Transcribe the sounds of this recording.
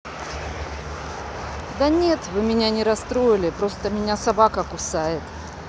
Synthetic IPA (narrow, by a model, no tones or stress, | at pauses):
d̪ɐnʲe̞t̪vɨmʲɪnʲanʲɪɾɐst̪ɾo̞jɪlʲɪpɾo̞st̪əmʲɪnʲasɐbakəkʊsajɪt̪